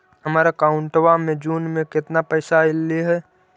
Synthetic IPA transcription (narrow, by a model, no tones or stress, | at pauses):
ɦəmaːɾakaʊ̃ɳʈʋamẽd͡ʒuːnmẽkɪt̪napɛːsaɪlːiɦɛ